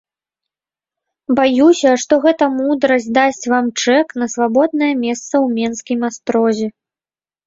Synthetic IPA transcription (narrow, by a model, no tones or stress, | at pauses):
bajusʲɐʂt̪ɔɣɛt̪ɐmud̪ɾɐsʲd̪asʲt͡sʲvamt͡ʂɛknɐsvabɔd̪̚nɐjɐmʲɛst̪sɐwmʲɛnskʲimast̪ɾɔzʲɛ